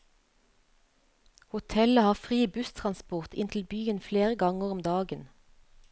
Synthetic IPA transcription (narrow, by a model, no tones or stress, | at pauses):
hʊt̪ʰɛləhɑːfʁiːbʉst̪ʰʁɑnspʊʁt̪ʰɪ̰nt̪ʰl̩byːənfleːʁəɡɑŋəʁɔmd̪ɑːɡən